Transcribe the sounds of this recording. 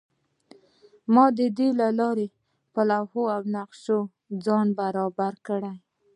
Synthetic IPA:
mɑd̪əd̪elalɑɾe | palahoawnaqʃo | d͡zɑnbaɾɑbaɾkəɽaj

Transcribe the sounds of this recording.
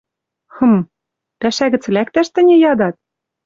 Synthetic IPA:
xɤ̆m | pæʃæɣɘ̆t͡s̆læk̚t̪æʃt̪ɘ̆nʲɘ̆jɑd̪ɑt̪̚

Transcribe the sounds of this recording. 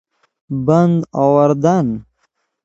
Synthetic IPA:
band̪awɐɾd̪an

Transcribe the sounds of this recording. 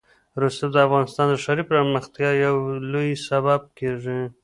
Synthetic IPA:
ɾust̪ad̪əafɣɑnɪst̪ɑnd̪əʂaɾipɾəməxt̪jɑjawlojsabab̚keʐi

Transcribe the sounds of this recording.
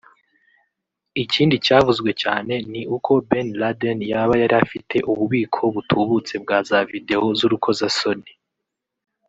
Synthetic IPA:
iciːndit͡ʃaːvuzɡwe̞t͡ʃaːne̞niʔukʰo̞benladenjaβajaɾiafitʰe̞ʔuβuβiːkʰo̞βutʰuːβut͡se̞bɡaːzavide̞o̞zuɾukʰo̞zaso̞ni

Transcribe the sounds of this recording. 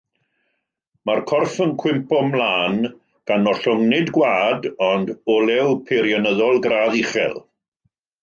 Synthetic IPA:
markʰɔrfənkʰw̥ɪmpɔmlˠaːn | ɡ̥anɔɬʊŋnɪdɡwaːdɔndɔlɛwpʰeɾjɔnəðɔlˠɡɾaːðiχɛ̰lˠ

